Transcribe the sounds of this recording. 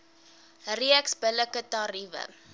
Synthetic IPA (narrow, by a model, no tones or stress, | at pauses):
riəksbələkətɑrivə̰